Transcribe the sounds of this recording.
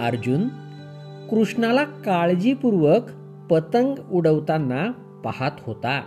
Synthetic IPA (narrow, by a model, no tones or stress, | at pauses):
ə̰ɾd͡ʑun | kɾuʂɳalakaɭd͡ʑipuɾʋək | pət̪əŋɡuɽəʋt̪anːa | pahat̪ɦot̪a